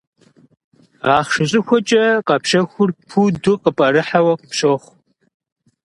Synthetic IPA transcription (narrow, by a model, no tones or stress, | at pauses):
ʁɑːχʃɨɕʼɪxʷɔt͡ʃʼɐqɐpʃɐxʷʊrpʰudʊqəpʼɐɾɨħawɐqəpɕoːχʷ